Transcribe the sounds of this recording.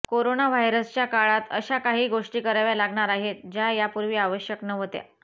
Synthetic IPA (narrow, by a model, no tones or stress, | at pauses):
koɾonaʋajɾəst͡ɕjakaɭat̪əɕakaɦiːɡoʂʈiːkəɾaʋjalaɡɳaɾaɦet̪d͡ʑajapuɾʋiːaʋəɕjəknəʋət̪ja̰